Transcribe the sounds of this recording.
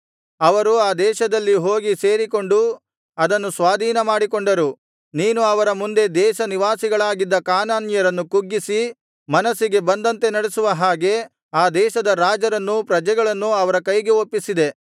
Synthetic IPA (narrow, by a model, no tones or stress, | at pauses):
ɐʋɐɾuaːd̪ɛːʃɐd̪ɐlːiɦo̞ːɡise̞ːɾiko̞ɳɖu | ɐd̪ɐnːusʋaːd̪ʱiːnɐmaːɽiko̞ɳɖɐɾu | niːnuɐʋɐɾɐmund̪e̞d̪ɛːʃɐniʋaːsiɡɐɭaːɡid̪ːɐkaːnaːnjɐɾɐnːukuɡːisi | mɐnɐsiɡe̞bɐnd̪ɐnt̪e̞nɐɽesuʋɐɦaːɡe̞ | aːd̪ɛːʃɐd̪ɐɾaːd͡ʒɐɾɐnːupɾɐd͡ʒɛɡɐɭɐnːuɐʋɐɾɐkɐjɡeopːisid̪e̞